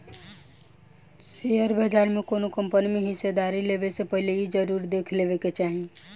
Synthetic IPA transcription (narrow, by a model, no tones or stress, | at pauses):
seəɾbəd͡ʒaɾmẽkonokəmpənimeɦɪsed̪aɾileʋesepəɦilejid͡ʒəɾuːɾd̪eːkʰleʋeket͡ʃaːɦĩ